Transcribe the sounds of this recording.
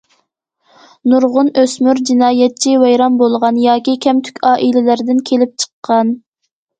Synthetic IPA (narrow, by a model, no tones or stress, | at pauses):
nuɾʁʊnøsmyɾd͡ʒinɑːjɛt̪̚t͡ʃʰiwɛjɾɑmbolˠʁɑnjɑːkʲikʲʰɛmt̪ʰy̥kʲɑːʔilɪlæɾd̪ɪnkʲʰelɪp̚t͡ʃʰə̥qʰːɑn